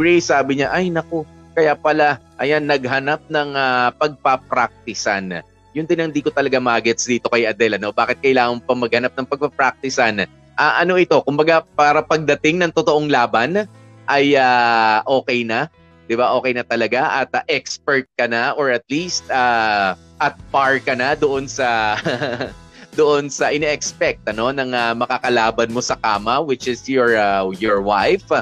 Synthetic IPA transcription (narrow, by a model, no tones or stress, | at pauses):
ɡɹɛjsaːbɪɲaʔajnɐko̞ | kɐjaːpɐlaʔɐjanːɐɡ̚ɦɐnap̚nɐŋapɐɡ̚pɐp̚ɾak̚t̪ɪsa̰n | jʊnd̪ɪnɐnd̪iːkot̪ɐlɐɡamaːɡɛt̪sd̪iːt̪o̞kɐjʔɐd̪ɛlɐno̞baːkɪt̪̚kɐjlaːŋɐŋpɐŋmɐɡ̚hɐnap̚nɐŋpɐɡ̚pɐpɾak̚t̪ɪsɐn | ʔaːʔɐno̞ʔɪt̪o̞kʊmbɐɡapaːɾɐpɐɡ̚d̪ɐt̪ɪŋnɐŋt̪ot̪oʔoŋlaːbɐn | ʔɐjaʔo̞ːkɛjnɐ | d̪̥ɪbaʔo̞ːkɛjnɐt̪ɐlɐɡaʔɐt̪aʔɛkspɛɹt̪̚kɐnaʔoɹɐt̪̚liːst̪̚aː | ʔɐt̪̚paɹkɐnɐd̪oʔonsɐ | d̪oʔo̞nsɐʔɪnɛʔɛkspɛk̚t̪̚ʔɐno̞nɐŋɐmɐkakɐlaːbɐnmo̞sɐkaːmɐwɪt͡ʃɪsjoɹjoɹwajf